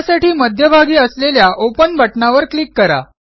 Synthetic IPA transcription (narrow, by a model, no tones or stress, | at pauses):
saʈiːməd̪ʱjəbʱaɡiːəsleljaʔopənbʱəʈnaʋəɾklikːəɾa̰